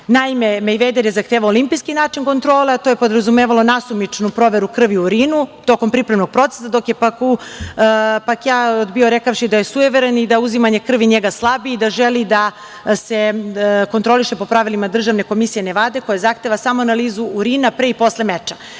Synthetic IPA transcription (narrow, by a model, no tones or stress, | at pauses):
naime̞mejʋejd̪eɾjezaxt̪eːʋaolimpijskinaːt͡ʃinko̞nt̪ɾo̞ːleat̪ojepod̪ɾazumeːʋalˠo̞nasumit͡ʂnupɾo̞ʋe̞ɾukr̩ʋiuɾinut̪o̞ko̞mpɾipɾemno̞ɡ̚pɾo̞t̪e̥sad̪o̞kjepaku | pakjaːod̪bio̞ɾekafʃid̪aje̞sueʋeɾenid̪auzimaɲe̞kr̩ʋiɲeɡaslˠabiːd̪aʒelid̪a | se̞kont̪ɾo̞lˠiʃe̞po̞pɾaʋilimad̪r̩ʒaʋne̞ko̞misije̞neʋaːd̪e̞ko̞jazaxt̪e̞ːʋasamonaliːzuːɾiːnapɾeipo̞sle̞met͡ʃḁ